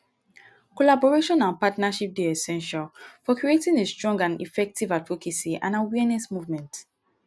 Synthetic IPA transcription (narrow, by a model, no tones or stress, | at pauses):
kɔlabɔɹeʃɔ̃nãnpatnaʃip̚deɛsɛ̃nʃalfɔkɹietĩŋestɹɔ̃ŋɡãnḭfɛk̚tivatfokʰisiʔã̰nawɛnɛsmuvmɛ̃nt